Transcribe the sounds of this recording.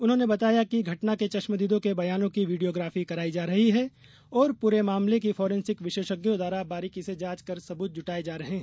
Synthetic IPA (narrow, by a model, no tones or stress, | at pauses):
ʊnɦõːnebɐt̪aːjakiɡʱɐʈnaket͡ʃɐʃməd̪iːd̪õkebɐjaːnõkiʋiːɖijoːɡɾaːfikɐɾaːid͡ʒaːɾɐɦiɦɛ | ɔːɾpuːɾemaːmlek̬ifɔːɾẽnsɪkʋɪʃeːʃəɡjõd̪aːɾabaːɾikised͡ʒaːt͡ʃkɐɾsɐbuːt̪̚d͡ʒʊʈaːed͡ʒaːɾɐɦẽɦɛ